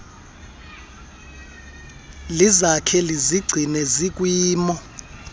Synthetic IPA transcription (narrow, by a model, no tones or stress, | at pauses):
lizakʰɛliziɡ͡ǀʱinɛzik̬ʼwiːmɔ